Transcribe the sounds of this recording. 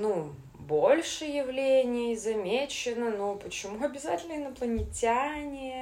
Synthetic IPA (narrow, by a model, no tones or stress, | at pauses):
nu | bo̞lʲʂɨjɪvlʲenʲɪjzɐmʲet͡ɕɪnənupət͡ɕɪmuɐbʲɪzatʲɪlʲnəɪnəplˠənʲɪtʲanʲɪ